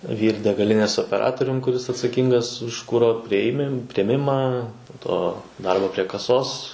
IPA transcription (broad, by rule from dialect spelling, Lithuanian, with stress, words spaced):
ʋʲiːr dʲɛɡɐˈlʲɪnʲeːs oːpʲɛˈrɑːtoːrʲʊm kʊˈrʲɪs ɐtsɐˈkʲiːŋɡɐs ʊʃ ˈkʊroː pʲrʲiɛˈmʲɪm pʲrʲiɛˈmʲɪmɑː poː ˈtoː ˈdɐrboː pʲrʲiɛ kɐˈsoːs